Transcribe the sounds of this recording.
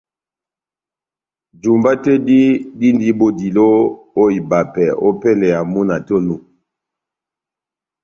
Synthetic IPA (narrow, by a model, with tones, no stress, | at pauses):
d͡ʒu˨mba˦tɛ˦di˦di˦ndi˨˦bo˨di˨lo˦ | o˦i˨ba˨pɛ˨ʔo˦pɛ˦lɛ˨ja˨mu˦na˨to˦nu˨